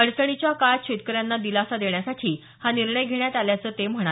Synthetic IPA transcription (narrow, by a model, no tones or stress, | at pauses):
əɽsəɽ̃it͡ɕjakaɾt͡ɕʰet̪kəɾjanːad̪ilasad̪eɳjasaʈʰiː | haniɾɳəjɡʱeɳjat̪aljat͡səːt̪em̤əɳa